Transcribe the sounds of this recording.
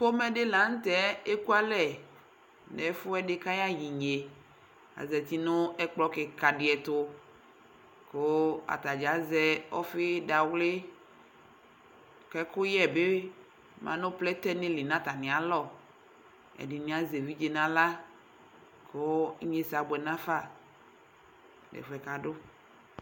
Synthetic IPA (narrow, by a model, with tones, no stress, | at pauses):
ko˦mɛ˨ɖe˦lã˨˦ŋ̩˦t̪ɛ˦e˦ku˦a˦lɛ˨ | nɛ˨˦fʊ˦ɛ˦ɖɪ˦kã˦ja˦ji˨ɲe˨ | a̰˨zɛ˨t̪i˦nʊ̃˦ɛ˦k͡plɔ˦kɪ˨ka˨ɖɪ˨˦ɛ˨t̪ʊ˦ | ko˦a̰˨t̪a˨d͡ʒa˨˦zɛ˦ɔ̰˦fɪ˦da˨wlɪ˦ | kɛ˦kʊ˦jɛ˦˨be˦ | mã̰˨nʊ̃˦plɛ˦t̪ɛ˦nɪ̃˦li˨nã˦t̪a˨nɪ̃˨a˨lɔ˦˨ | ɛ̰˨dɪ˨nĩ˨˦a˦ze˨vi˦d͡ʒe˨nã˨la˦ | ko˦ɲe˦sa˨ɡ͡bɛ˨nã˦fa˦˨ | lɛ̰˨fɛ˨ka˨ɖʊ˦